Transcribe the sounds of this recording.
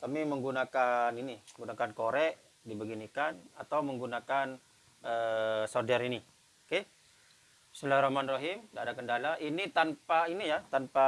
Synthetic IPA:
kamiməŋɡunakaniniməŋɡunakankoɾɛʔ | dibəɡinikanat̪awməŋɡunakan | əsɔrdɛɾini | oke | slahɾamanrɔɦɪmdadakəndalaʔinit̪anpainijat̪anpa

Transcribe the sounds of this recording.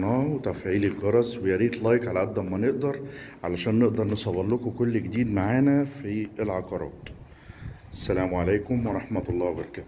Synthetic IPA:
nɑːwet̪æfʕiːlelɡɑɾˤɑzwejæɾiːt̪lɑjkʕalæʔad̪ːæmːæneʔd̪ɑɾˤʕalæʃæːnːeʔd̪ɑɾˤnesˤɑwɑlːokokolːɡed̪iːd̪maʕaːnæfielʕɑqɑɾˤɑ̰ːt̪ | ʔæsːælæːmʕalæːkomwɑɾˤɑħmæt̪ɑlˤːɑːwbɑɾˤɑkæːt̪

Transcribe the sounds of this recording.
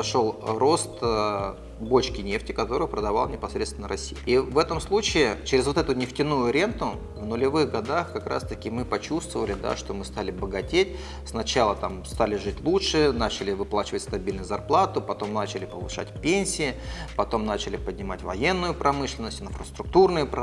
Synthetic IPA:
ɐʂo̞lˠro̞st̪ | bo̞t͡ɕkʲɪnʲe̞ftʲɪkɐt̪o̞ɾɨjʊpɾəd̪ɐva̰lˠnʲɪpɐsɾʲet̪st̪ʲɪnːəɾɐsʲijɪivɛt̪əmslˠut͡ɕɪɪt͡ɕeɾʲɪzvot̪ɛt̪ʊnʲɪftʲɪnujʊɾʲe̞nt̪ʊ | vnʊlʲɪvɨxɡɐd̪axkɐkɾa̰st̪əkʲɪmɨpɐt͡ɕust̪vəvəlʲɪd̪a̰ʂt̪o̞mɨst̪alʲɪbəɡɐtʲetʲ | snɐt͡ɕalˠət̪amst̪alʲɪʐɨtʲlˠutʂɨnat͡ɕɪlʲɪvɨplˠat͡ɕɪvətʲst̪ɐbʲilʲnʊjʊzɐrplˠat̪ʊpɐt̪o̞mnat͡ɕɪlʲɪpəvɨʂa̰tʲpʲenʲsʲɪɪpɐt̪o̞mnat͡ɕɪlʲɪpədʲnʲɪmatʲvɐje̞nːʊjʊpɾɐmɨʂlʲɪnːəsʲtʲɪnfɾəst̪ɾʊk̚t̪urnʊjʊp

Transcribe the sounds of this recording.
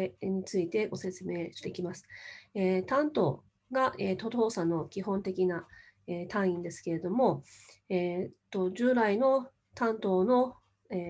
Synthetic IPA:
ɲ̟it͡sɨit̪e̞ɡo̞se̞t͡sɨme̞ːɕi̥t̪e̞kʲimasɨ̥eːt̪ãnt̪o̞̰ː | ɡaʔeːt̪o̞t̪o̞ːsano̞kʲiɦõ̞nt̪e̞kʲina | eːt̪ãɰ̃ĩnd̪e̞sɨ̥ke̞ɾe̞d̪o̞mo̞ | eːt̪ːo̞ʑɨːɾaino̞ | t̪ãnt̪o̞ːno̞ | eː

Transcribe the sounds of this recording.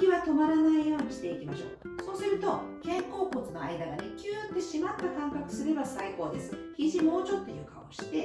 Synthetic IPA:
kʲiβat̪o̞maɾanaijo̞ːɲ̟iɕi̥t̪e̞ikʲimaɕo̞ː | so̞ːsɨɾɯ̟t̪o̞ | kẽ̞ŋko̞ːko̞t͡sɨno̞a̰id̪aɡanekʲɨːt̪ːe̞ɕimat̪ːakãŋkakɯ̟̥sɨɾe̞basaiko̞ːd̪e̞sɨ̥çiʑimo̞ːt͡ɕo̞t̪ːe̞jo̟kao̰ɕi̥t̪e̞

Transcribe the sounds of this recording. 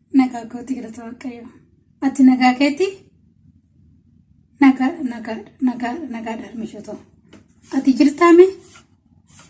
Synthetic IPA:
nɐɡaːɡoːt̪ːɪɡɪɾɐt̪ɐɐkʼːɐjo | ɐt̪ːɪnɐɡaːkeːt̪ːɪ | nɐɡanɐɡanɐɡanɐɡaᶑɐɾmɪʃɔt̪ɐʊ | ɐt̪ɪd͡ʒɪɾt̪amɛ

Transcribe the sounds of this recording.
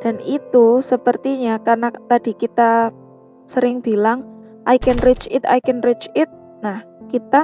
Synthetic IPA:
d̥a̤nit̪usəpərt̪iɲakarnat̪ad̥i̤kit̪a | səɾɪŋb̥ilaŋ | ʔajkənrɪt͡ʃɪt̪a̰jkənrɪt͡ʃɪt̪̚ | nahkit̪a

